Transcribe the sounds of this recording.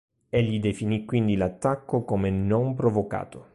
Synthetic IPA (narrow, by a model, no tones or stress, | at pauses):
eʎːid̪efinikwind̪ilat̪ːakːokomenompɾovoka̰ːt̪o